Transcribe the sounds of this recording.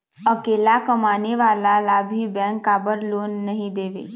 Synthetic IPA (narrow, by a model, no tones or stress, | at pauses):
ɐkeːlakɐmaːneʋaːlalabʱibɛ̃ːŋkːaːbəɾloːnːɐɦĩd̪eːʋḛː